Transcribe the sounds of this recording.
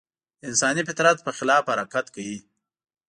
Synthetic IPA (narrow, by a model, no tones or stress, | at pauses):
ɪnsɑnifɪt̪ɾat̪̚pəxɪlɑfhaɾɑkat̪kawi